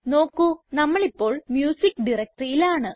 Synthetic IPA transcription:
no̞ːkːunɐmːɐɭipːo̞ːɭmjuːsikːɖirɐk̚ʈrijilaːɳɨ

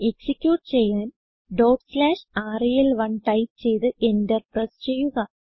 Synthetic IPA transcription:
e̞ksikʲjuːʈɨt͡ɕe̞jːaːn | ɖoːʈslaːʂaːrijɐlʋɐɳʈɐjtt͡ɕe̞jt̪ɨendɐrprɐst͡ɕejːuɣɐ

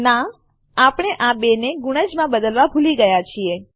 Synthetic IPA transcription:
na | apɳ̃eʔabeneɡuɽ̃əd͡ʒmãbəd̪əlʋabʱuliɡəjat͡ʃʰie

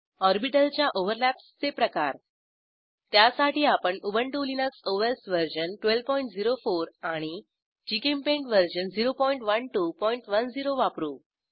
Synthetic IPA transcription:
ɔɾbiʈəlt͡ɕjaʔoʋəɾlæpst͡sepɾəkaɾ | t̪jasaʈiːapəɳubəɳʈulinəksoʋesʋəɾɕənʈʋelʋpɔiɳʈ̚d͡ziɾofoɾaɽ̃i | d͡ʑikempẽɳʈʋəɾɕənd͡ziɾopɔiɳʈʋəɳʈupɔiɳʈʋənd͡ziɾoʋapɾuː

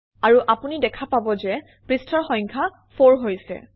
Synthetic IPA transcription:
aɹuʔapunidɛkʰapabɔzɛ | pɹistʰɔɹxɔ̃j̃ŋkʰa | fʰoɹɦojsɛ̰

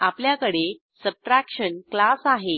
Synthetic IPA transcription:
apljakəɽe | səb̚ʈɾækʂənklasaɦe

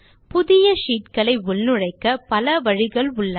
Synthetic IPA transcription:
pʊðɪjɐʂiːt̪̚kɐɭɐɪʊlnɯɻɐɪkːɐpɐlɐʋɐɻɪɣɐɭʊɭːɐ

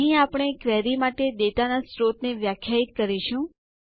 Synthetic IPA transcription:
ɦĩapɽ̃ekʋɛɾimaʈed̪et̪anasɾot̪neʋjakʰjait̪kəɾiʃũ

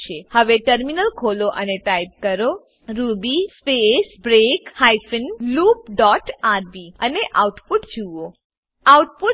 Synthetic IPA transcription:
t͡ʃʰehəʋeʈəɾminəlkʰoloʔəneʈajb̚kəɾo | ɾubispesbɾekhajfənlup̚ɖɔʈaɾbiəneʔawʈpuʈd͡ʒuo | awʈpu

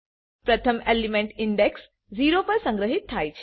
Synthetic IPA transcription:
pɾət̪ʰəmelimẽɳʈɪɳɖeks | d͡ʒiɾopəɾsə̃ŋɡɾəɦit̪ʰːajt͡ʃʰe̥

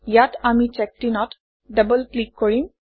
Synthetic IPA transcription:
jaʈamit͡ʃɛk̚ʈinɔʈ | ɖəbəlklikːɔɹim

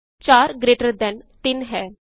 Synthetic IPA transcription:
t͡ɕaɾɡɾeʈəɾd̪ɛ̃nt̪iːnɦɛ̃

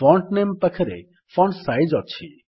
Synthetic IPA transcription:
fɔɳʈnempəkʰɛɾḛ | fɔɳsajd͡ʒɔt͡ʃʰi

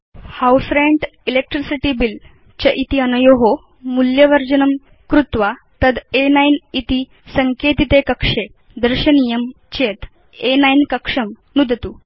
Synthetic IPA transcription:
hawsɾeɳʈilek̚ʈɾisiʈibil | t͡ɕɐʔit̪iənɐjoɦo | muljəʋəɾd͡ʑənəm | kɾut̪ʋa | t̪əd̪enajnit̪i | səŋket̪it̪ekəkʂe | d̪əɾɕənijəm | t͡ɕet̪ | enajnkəkʂəm | nud̪ʱt̪u

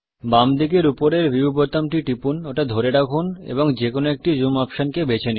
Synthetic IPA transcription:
bamd̪ʱikeɾupoɾeɾbiubot̪amʈiʈipunoʈad̪ʱoɾeɽakʰunḛboŋd͡ʑekonoek̚ʈid͡ʑumɔpʃankebet͡ɕʰeni

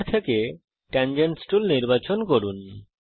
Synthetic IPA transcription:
t̪ʰeke | ʈɛnd͡ʑeɳsʈulniɾbat͡ɕonkoɾun

